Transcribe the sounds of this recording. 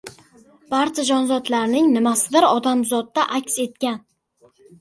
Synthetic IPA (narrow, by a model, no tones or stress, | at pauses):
b̥aɾt͡ʃʰad͡ʒɒnzɒt̪laɾnɪŋnɪmasɪd̪ɪɾɒd̪amzɒt̪ːaʔakʲse̞t̪̚kʲan